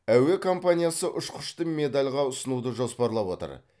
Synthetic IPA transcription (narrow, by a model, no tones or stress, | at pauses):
æwe̞kʰo̞mpanʲijasəʔʊʃqʰʊ̥ʃt̪əmʲe̞d̪alʲʁɑʊsənud̪əʒo̞spɑɾlˠɑpwo̞t̪ə̰ɾ